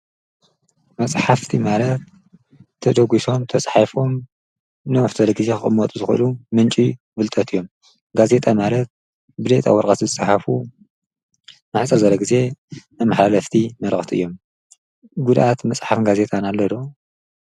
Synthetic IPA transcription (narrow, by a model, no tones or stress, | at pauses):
mɐsʼħaft̪ʰimalɐt̪̚ʰː | ɐd̪ɐɡiso̞mt̪ʰɐsʼħafom | nɐwħt̪ɐlɐɡɨzekʰɨxʼɨmːɐt̪ʼuzɨxʔɨ̰lumɨnt͡ʃʼi | bɨlt̪ʼɐt̪ɨjːo̞m | ɡaze̞t̪ʼamalɐt̪̚ | bɨd̪et̪ʼa̰wɔɾkʼɐt̪zɨsʼɨħafu | naħt͡sʼɐɾzɐlːɐɡize̞nɨmaħlalɐft̪ʰimɐɾɐxt̪ʰiʔɨjːo̞m | ɡud̪ʔat̪mɐsʼħafɡaze̞t̪ʼanalːɐd̪o